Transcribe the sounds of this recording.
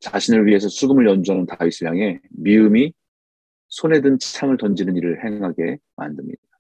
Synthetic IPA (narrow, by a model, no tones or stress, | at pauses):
t͡ɕaɕʰinɯɭɥiɦe̞sʰʌsʰuɡɯmɯɭjʌnd͡ʑuɦanontaisʰɯɭjaŋe̞miɯmi | sʰone̞dɯnt͡ɕt͡ɕʰamɯɭtʌnd͡ʑinɯniɾɯɭhe̞ŋɦaɡe̞ma̰ndɯmɲḭd̚a